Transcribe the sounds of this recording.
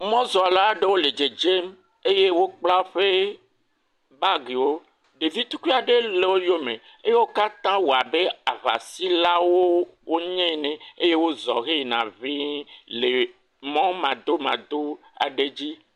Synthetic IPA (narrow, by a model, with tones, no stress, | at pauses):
mɔ̃˦zɔ˨a˨la˦ɖe˦wo˦le˨d͡ʒe˨d͡ʒe˦m | e˦je˦wo˦k͡pla˦ɸe˦ | ba˦ɡi˨wo˦ | ɖe˨vi˦t̪u˦ki˦a˨ɖe˦le˨wo˦jo˦mẽ˨ | e˦je˦wo˦ka˦t̪ã˦wo˨a˨be˦a˨βa̰˨si˦la˦wo˦wo˦ɲɛ̃˦nẽ˨e˦je˦wo˦zɔ̰˨ɣe˦˨nã̰˨vi˦le˨ | mɔ̃˦mã˨d̪o˦mã̰˨d̪o˦ | a̰˨ɖe˦d͡ʑi˦